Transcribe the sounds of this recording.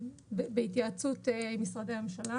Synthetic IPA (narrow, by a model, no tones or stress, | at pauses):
bebeit̬jaːt͡sutemisʁadeamemʃala